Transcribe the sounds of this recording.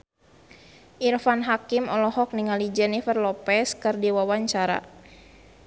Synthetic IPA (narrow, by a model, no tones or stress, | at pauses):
ʔirfanɦakimɔlɔɦɔk̚niŋalid͡ʒɛnifərlɔpɛskɨrdiwawaɲt͡ʃaɾa̰